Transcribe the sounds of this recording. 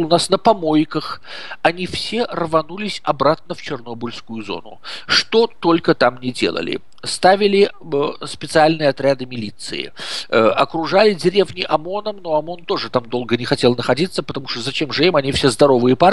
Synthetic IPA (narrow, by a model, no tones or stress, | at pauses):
lˠnasnəpɐmo̞jkəx | ɐnʲifsʲe̞rvɐnulʲɪsʲɐbɾat̪̚nəft͡ɕɪrno̞bʊlʲskʊjʊzo̞̰nʊ̰ʂt̪o̞t̪o̞lʲkət̪amnʲɪdʲelˠə̰lʲɪ̰ | st̪avʲɪlʲɪ | spʲɪt̪sɨalʲnɨjəɐt̪ɾʲad̪ɨmʲɪlʲit̪sɨ̰ɪ̰ɐkɾʊʐalʲɪdʲɪɾʲe̞vnʲɪʔɐmo̞nəmno̞ɐmo̞nt̪o̞ʐɨt̪amd̪o̞lˠɡənʲɪxɐtʲe̞lˠnəxɐdʲit̪sːəpə̥t̪ɐmuʂt̪ozɐt͡ɕe̞mʐɨimɐnʲifsʲezd̪ɐɾo̞vɨjəpa